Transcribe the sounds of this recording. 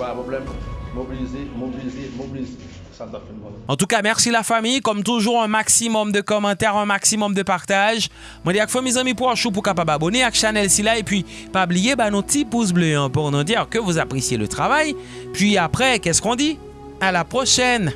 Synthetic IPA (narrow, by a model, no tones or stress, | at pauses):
bapɔblɛmmobilizemɔbilizemɔbilize | sand̪afɛnmɔɑ̃t̪ukamɛʁsilafamijkɔmt̪uʒuʁɛ̃maksimɔmd̪əkɔmɑ̃t̪ɛʁɛ̃maksimɔmd̪əpaʁt̪aʒ | mwɛ̃d̪iakfɔ̃mezɑ̃mĩpuʁãʃup̬uʁkapababɔneakʃanɛlsilaepɥi | pablijebanot̪ipus̬bløɑ̃pɔʁnɑ̃d̪iʁkəvuzapχesjelət̪χavaj | pɥiapχɛkɛskɔ̃d̪i | alapχɔʃɛn